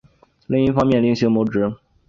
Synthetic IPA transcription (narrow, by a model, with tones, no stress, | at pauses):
li˥˧ŋi˥˩fɑ˥ŋmjɛ˥˩nli˥˩ŋɕi˧˥mo˧˥ʊʈ͡ʂɻ̩˧˥